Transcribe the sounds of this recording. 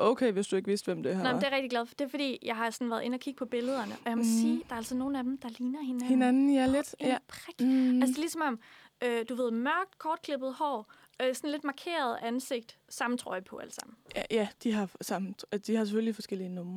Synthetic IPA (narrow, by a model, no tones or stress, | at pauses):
ʔoʊkʰeɪʋe̝sd̥ue̝ɡ̥ʋe̝sd̥ʋem̰d̥e̝hɑmd̥e̝ɐʁɛɡ̥̚d̥iɡlæðˠfd̥e̝ɐfɒd̥ḭːjɑ̈ɪhɑ̈sɒ̽n̩ʋæɐð̞ˠe̝nɒkʰiɡ̥əpʰɒ̽b̥e̝ləð̞ˠɐnəʔɒ̽jɑmɒsiːd̥ɑ̈ɐælsɒno̝ːn̩æd̥em̩d̥ɑ̈liːnɐhe̝næhenænn̩jled̥epʰʁaɡ̥ælsəlisɒ̽mɒ̽m | ød̥uʋe̝ð̰ˠmɶɐ̰ɡ̥̚d̥kʰɒːd̥̚kʰle̝b̥ð̩ˠhɒ̰ː | øsɔ̽nle̝d̥mɑ̈kʰe̝̰ːɐð̞ˠænse̝ɡ̥̚d̥ | sɑ̈mn̩t͡sʰʁɒ̰̽ɪpʰɒ̽æld̥sɑ̈m̰n̩jæd̥iɦɑ̈sɑ̈m̩d̥ihɑ̈sefølifɒ̽sɡ̥el̰iənɔmɐ